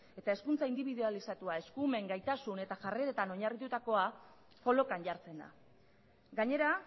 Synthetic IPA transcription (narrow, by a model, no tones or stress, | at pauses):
e̞t̪ae̞skunt͡saind̪iβiðualisat̪uae̞skume̞ŋɡajt̪asune̞t̪aʝareɾet̪ano̞ɲarit̪ut̪ako̞a | ko̞lo̞kanʝaɾt͡se̞nd̪a̰ | ɡaɲe̞ɾa